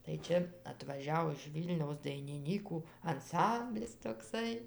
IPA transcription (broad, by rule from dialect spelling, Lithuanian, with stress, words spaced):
tɐɪ ˈt͡ʃʲɛ ɐtʋɐˈʒʲɛʊ ɪʃ ˈʋʲiːlʲnʲɛʊs dɐɪnʲɪˈnʲiːkuː ɐnˈsɐmʲbʲlʲɪs toːˈksɐɪ